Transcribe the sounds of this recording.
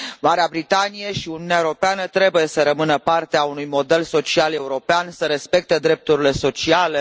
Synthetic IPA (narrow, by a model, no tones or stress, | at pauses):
maɾeabɾit̪anijeʃiuniuneaewuɾo̞peanət̪ɾe̞buje̞səɾəmɨnəpart̪eaunujmo̞d̪e̞lso̞t͡ʃiale̞uɾo̞peansəɾe̞spe̞k̚t̪ed̪ɾe̞p̚t̪uɾile̞so̞t͡ʃiale̞